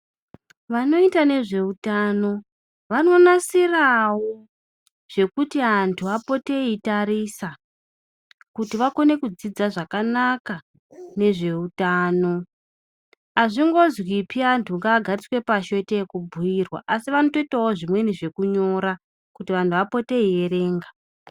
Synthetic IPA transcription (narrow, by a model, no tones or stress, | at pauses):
ʋano̞itane̞ʐe̞utano̞ | ʋano̞nasirawo | ʐ̥e̞kutiantʰuapo̞te̞itaɾisa | kutiʋako̞ne̞kud͡zid͡zaʐakanaka | ne̞ʐe̞utaːno̞ | aʐiŋɡo̞zwipʰiantʰuŋɡaːɡʱarit͡swe̞paʃo̞tekubʱujirwa̰ʔasiʋano̞to̞itawoʐimwe̞niʐe̞kuɲo̞ɾa | kutiʋantʰuʋapo̞te̞ieɾe̞ːŋɡa